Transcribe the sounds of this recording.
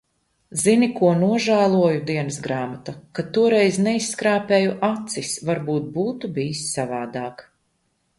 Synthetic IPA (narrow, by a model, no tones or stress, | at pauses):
zinikuɔnuɔʒæːlˠuɔjud̪iɛnɐsɡɾaːmat̪akat̪uɔɾɛjznɛisːkɾaːpɛːjuʔat̪sisvaɾbuːt̪̚buːt̪ubiːisːavaːd̪aːk